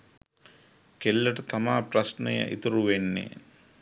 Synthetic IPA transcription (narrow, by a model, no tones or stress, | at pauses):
kelːəʈət̪amaːprɐsnəjə̰ʔḭt̪əɾuʋenːḛ